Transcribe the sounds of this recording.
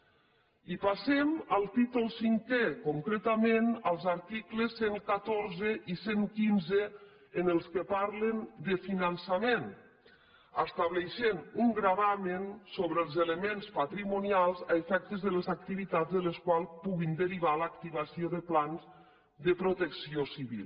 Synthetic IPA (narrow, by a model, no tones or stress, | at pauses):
ipasɛməlˠt̪it̪ulˠsiŋkekuŋkɾet̪amenəlˠzaɾt̪ikləsːeŋkat̪oɾzəʔiseŋkinzəː | nəlˠskəpaɾlənd̪əfinansamen | əst̪aβleʃenuŋɡɾaβamensoβɾəlˠzeləmenspat̪ɾimunialˠzaefɛk̚t̪əzðələzak̚t̪iβit̪azðələskwalˠpuɣind̪əɾiβalak̚t̪iβasioðəplanz | d̪əpɾot̪əksiosiβḭlˠ